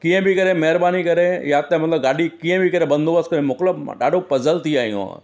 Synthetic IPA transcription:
kĩːə̃bʱikɐɾẽmɛɦəɾbaːnikɐɾẽjat̪emɐt̪ləbɡaːɽikĩːə̃bʱikɐɾẽbɐ̃nd̪ʱoːbəskɐɾẽmʊkləbɗaːɖʱopɐzəlt̪iaːijṵ̃

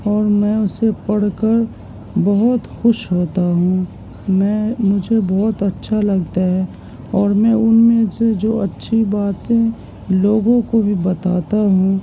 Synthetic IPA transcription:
ɔːɾmɛ̃ːʊsepɐɽ̤kəɾ | bɐɦʊt̪xʊʃɦoːt̪aɦũː | mɛ̃ːmʊd͡ʒʱebɔːt̪ɐtːʃʰalɐɡt̪aɦɛː | ɔːɾmɛ̃ːʊnmẽsed͡ʒoːɐtːʃʰibaːt̪ẽ | loːɡõkobʱibɐt̪aːt̪aɦũː

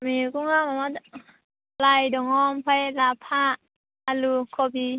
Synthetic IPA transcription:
mikuŋamama | lajdɔŋɔmpʰajlapʰaʔː | lukʰɔbi

